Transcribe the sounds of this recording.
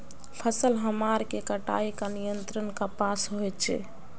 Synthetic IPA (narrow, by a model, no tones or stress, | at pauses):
pʰəsəlɦəmaɾkekəʈa̰ikanijənt̪ɾənkapasɦoɛt͡ʃʰɛ̰